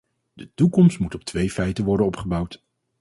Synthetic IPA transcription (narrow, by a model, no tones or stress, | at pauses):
dətukɔmstmutɔp̚tʰʋejfɛjtənʋɔɹdənɔpχəbɑwt